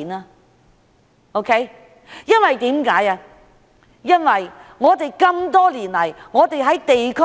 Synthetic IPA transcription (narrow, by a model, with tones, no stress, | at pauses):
naː˧ | o˥wkʰe˦˥j | jɐ˥nwɐ˨jt̪iː˨˥mkaː˨˥jaː˧ | jɐ˥nwɐ˨jŋɔː˨˧t̪e˨jkɐ˧mt̪ɔː˥liː˨˩nlɐ˨˩jŋɔː˨˧t̪e˨jɦɐ˨˥jt̪e˨jkʰɵ˥